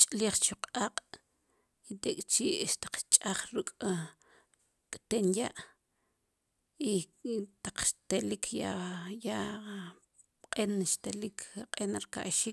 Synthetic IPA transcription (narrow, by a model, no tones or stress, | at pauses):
t͡ʃʼliːχt͡ʃuqʼaːqʼ | it̪ekʼt͡ʃiːʔʃt̪ḁq͡χt͡ʃʼaχɾukʼ | kʼt̪enjaʔ | it̪aq͡χʃt̪elikʰjaja | qʼenʃt̪elikʰqʼenɾka̰ʔʃiːk